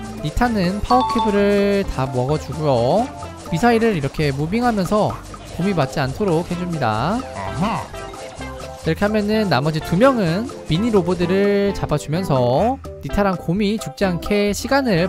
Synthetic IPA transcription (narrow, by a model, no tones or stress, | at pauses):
nitʰanɯnpʰaokʰibɯɾɯɭtamoɦaɡʌd͡ʑuɡujo | misʰaiɾɯɾiɾʌkʰe̞mubiŋɦamjʌnsʰʌ | komimat̚t͡ɕ͈iantʰoɾok̚hed͡ʑumɲida̰ | kiɾʌkʰe̞ɦamjʌnɯnːamʌd͡ʑitumjʌŋɯnmiɲiɾobodɯɾɯɭt͡ɕabad͡ʑumjʌnsʰʌ | nitʰaɾankomit͡ɕuk̚t͡ɕ͈iɦankʰe̞ɕʰiɡanɯɭ